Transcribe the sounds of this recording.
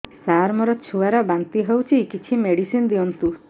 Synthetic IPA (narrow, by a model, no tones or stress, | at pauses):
saɾmɔɾɔt͡ʃʰuaɾɔbant̪iɦewt͡ʃʰikit͡ʃʰimeɽisind̪iɔnt̪u